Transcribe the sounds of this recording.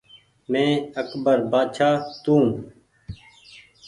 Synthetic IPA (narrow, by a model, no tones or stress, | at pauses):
mẽːəkbəɾbaːd̪ʃaːt̪ũː